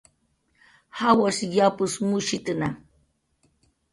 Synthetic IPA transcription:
hawasjapusmuʃit̪ɨna

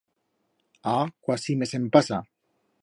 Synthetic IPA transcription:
akwasimesempasa

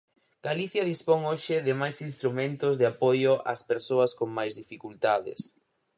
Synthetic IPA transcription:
ɡ̥aliθjɐðispoŋoʃɪðɪmajsinst̪ɾumẽnt̪ʊzðɪapojʊʔa̰speɾsoɐskoŋmajzðifikult̪aðɪ̰s

